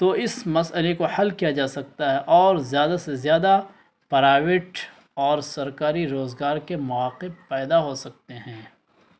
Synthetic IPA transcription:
t̪oɪsmɐsəlekohɐlkijad͡ʒaːsɐk̚t̪aɦɛʔɔːɾzjaːd̪asezjaːd̪a | pɐɾaːʋɪʈ | ɔːɾsɐɾkaːɾiɾoːzɡaːɾkemɐʋaːqɪbpɛːd̪aɦosɐk̚t̪eɦɛ̃ː

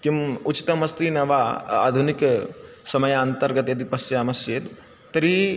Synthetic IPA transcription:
kimut͡ʃi̥t̪ɐmɐst̪inɐʋaa̰ːd̪ʱuniksɐmɐjant̪ɐɾɡɐt̪jɐd̪ipɐsjɐːmɐsjeːt̪ | t̪ɐɾi

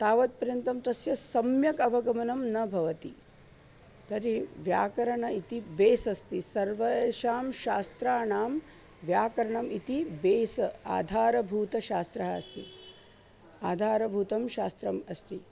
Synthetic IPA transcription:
t̪aːʋɐt̪̚pɐɾjɐnt̪ɐmt̪ɐsjɐsɐmjɐkɐbʱɐɡɐmɐnɐmnɐbʱɐʋɐt̪i | t̪ɐɾiʋja̰ːkɐɾɐɳɐit̪ibeːsɐst̪isɐɾʋɐeʃaːmʃaːst̪ɾaːnaːm | ʋjaːkɐɾɐɳɐmit̪ibeːsɐa̰ːd̪ʱaːɾɐbʱuːt̪ɐʃaːst̪ɾɐɦɐɐst̪ḭ | aːd̪ʱaːɾɐbʱuːt̪ɐmʃaːst̪ɾɐmɐst̪i

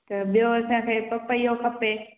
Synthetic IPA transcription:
t̪ɐɓijosãkʰeːpɐpɐiɦokʰɐpe

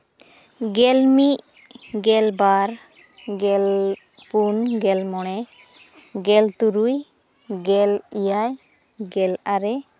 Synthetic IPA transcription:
ɡɛlmiʔɡɛlbaɾ | ɡɛl | punɡɛlmɔɽ̃ɛ | ɡɛlt̪uɾuj | ɡɛlijaj | ɡɛlaɾɛ

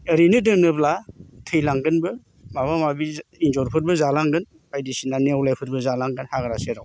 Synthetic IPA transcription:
ɯɾinɯdɯnɯblatʰɯjlaŋɡɯnbɯ | maβamabiinzɔɾpʰɯt̚bɯzalaŋɡɯn | pʰajdisinanewlajpʰɯɾ̚bɯzalaŋɡɯnhaɡɾaseɾaw

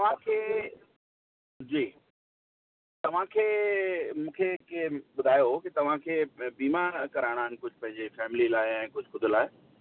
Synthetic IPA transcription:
t̪ɐʋ̤ãkʰeː | d͡ʑiː | t̪ɐʋ̤ãkʰeːmũːkʰekɓʊd̪ʱaːjokit̪ɐʋ̤ãkʰeːbiːmakɐɾaːɪɽ̃aːɦɪnɪ̆kʊd͡ʑʱʊ̆pɐ̃ɦɪ̃ɲd͡ʑefɛːmɪlilaːɪɛ̃ːkʊd͡ʑʱxʊd̪ʱlaːɪ

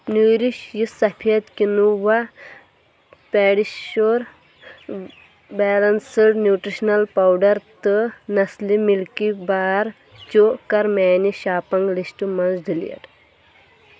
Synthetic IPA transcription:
nuːɾiʃjisɐpʰijɐt̪kinuʋa | pɛːɽiʃoːɾ | bɛːlɐnsɨɽnjuːʈɾiʃnɐlpɐwɖɐɾt̪ɨnɐslimilkibaːɾ | t͡ʃokɐɾmɛːniʃaːpɐŋɡlisʈɨmɐnzd̪ilijɐ̰ʈ

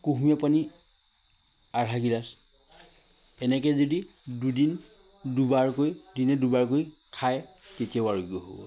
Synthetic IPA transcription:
kuɦmiapani | aɹaɡilas | ɛnɛk̬ɛzodi | dudin | dubaɹkojdinɛdubaɹkojkʰaj | tetijawaɹoɡiɔɦobɔ̰

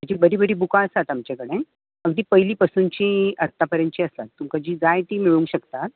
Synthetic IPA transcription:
ad͡ʑiːbəɾiːbəɽiːbukãəst̪at̪amt͡ɕekəɽ̃e | əɡd̪iːpəɦjliːpəsuːnt͡ɕiət̪ːapəɾjə̃nt͡ɕiːəst̪at̪ːumkad͡ʑiːd͡zajt̪iːmiɭũŋɡɕəkt̪at̪̚

